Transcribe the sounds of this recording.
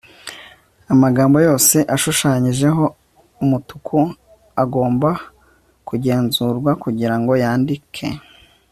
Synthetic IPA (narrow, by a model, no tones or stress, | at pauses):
amaɡaːmbo̞jo̞ːse̞ʔaʃuʃaːɲiʒe̞ɦo̞ | umutukʰu | aɡo̞ːmba | kuɟe̞ːnzuːɾɡwakuɟiɾaŋɡo̞jaːndikʰe̞̰